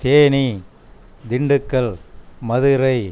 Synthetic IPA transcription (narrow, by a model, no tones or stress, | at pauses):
t̪eːni | d̪ɪɳɖɯkːɐɭmɐðɯɾɐɪ